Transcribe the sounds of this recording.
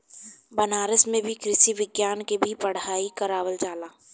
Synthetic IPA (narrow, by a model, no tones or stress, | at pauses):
bɐnaːɾəsmẽbʱikɾɪʃiʋɪɡjaːnkebʱipɐɽ̤aːikɐɾaːʋəld͡ʒaːlaː